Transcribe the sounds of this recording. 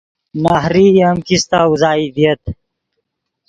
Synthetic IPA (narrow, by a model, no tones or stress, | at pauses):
naːhɾiɐmkist̪auzaːid̪ijɐt̪